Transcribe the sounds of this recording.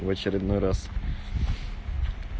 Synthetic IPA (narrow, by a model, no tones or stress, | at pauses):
vɐt͡ɕɪɾʲɪd̪nojɾas